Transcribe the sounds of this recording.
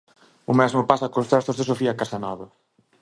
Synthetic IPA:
ʊmɛzmʊpasɐkost̪ɾast̪ozðesofiɐkasɐnɔβɐ

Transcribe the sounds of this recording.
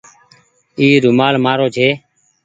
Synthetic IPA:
iːɾʊmaːlmaːɾoːd͡ʒʰeː

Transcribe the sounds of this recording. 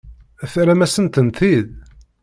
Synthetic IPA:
æθɾæmæsənt̪ənt̪ið

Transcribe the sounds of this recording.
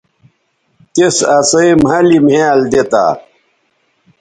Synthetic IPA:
t̪esɐsɐjmɦɐlimhẽald̪et̪a̰

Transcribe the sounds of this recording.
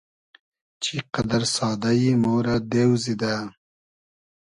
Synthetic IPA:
t͡ʃiqad̪aɾsɑːd̪ajimoːɾad̪ewzid̪a

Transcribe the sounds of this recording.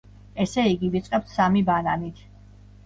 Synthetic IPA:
ɛsɛiɡivit̪sʼqʼɛp̚t̪ʰsamibananit̪ʰ

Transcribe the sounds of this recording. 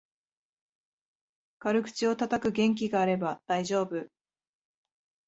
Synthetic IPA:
kaɾɯ̟kɯ̟̥t͡ɕio̞t̪at̪akɯ̟ɡẽ̞ŋk̬ʲiɡaːɾe̞bad̪̥aiʑo̞ːbɯ̟

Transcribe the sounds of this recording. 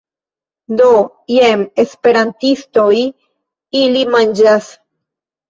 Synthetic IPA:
d̪o | jemespe̞ɾantistoj | ilimand͡ʒas

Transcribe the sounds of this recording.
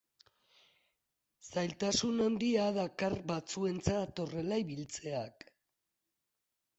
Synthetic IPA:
sajlt̪asunond̪iaðakarbat͡sue̞nt͡sat̪o̞re̞laiβilt͡se̞ak

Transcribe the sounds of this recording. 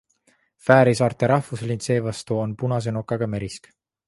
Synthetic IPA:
fæːɾisɑːɾt̪ˑeɾɑhfuslʲint̪se̞ːvɑst̪uo̞npunɑs̬e̞nokːˑɑɡ̥ɑme̞ɾisk

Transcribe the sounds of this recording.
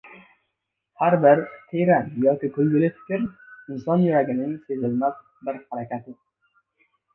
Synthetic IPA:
haɾbɪɾt̪ʰeɾanjɒkʲikʰɵlɡʲɪlɪfʰɪ̥kʲɪɾɪnsɒnjyɾaɡʲɪnɪŋsezɪlmas | bɪɾhaɾakʲat̪ɪ

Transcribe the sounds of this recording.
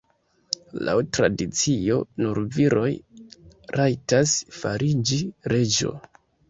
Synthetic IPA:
la̰wtɾadit͡sio̞nuɾviɾo̞j | ɾʔajtasfaɾid͡ʒiɾe̞d͡ʒo̞̰

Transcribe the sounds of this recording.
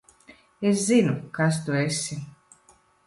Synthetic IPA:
es̬zinukas̬t̪uesʲi

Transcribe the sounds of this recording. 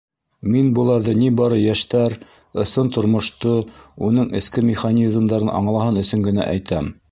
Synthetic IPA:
minbulˠɑɾðɤnibɑɾɤjæʃt̪æɾ | ɤ̆sɤnt̪ŏɾmŏʃt̪ounɤɴɘ̆skɘmʲɪχanʲizmd̪ɑɾɤnʔɑ̰ɴlˠɑɦɤnɵ̆sɵŋɡɘ̆næ̰ʔæ̰jt̪æm

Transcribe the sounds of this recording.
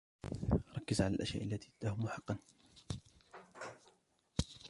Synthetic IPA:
ɾˤɑkːɪzʕalalʔa̰ʃja̰ːʔalːat̪it̪ahʊmʊħɑqːɑn

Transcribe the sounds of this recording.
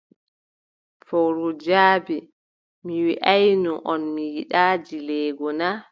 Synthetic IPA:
fɔwɾɔd͡ʒaːbɛ | miwiʔajnuʔɔnmijiɗaːd͡ʒilɛːɡɔna

